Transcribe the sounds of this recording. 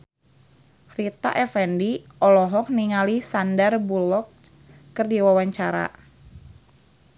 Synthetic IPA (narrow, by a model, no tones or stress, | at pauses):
rit̪a̰ʔɛfɛndiʔɔlɔɦɔk̚niŋalisandarbulɔkː | ərdiwawaɲt͡ʃaɾa̰